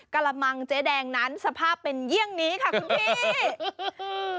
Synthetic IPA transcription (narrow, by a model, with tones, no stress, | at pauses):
ka˧la˧ma˧ŋt͡ɕeː˦˥dɛː˧ŋna˦˥nsa˧pʰaː˥˩pːe˧nji˥˩əŋniː˦˥kʰa˥˩kʰu˧ne˥˧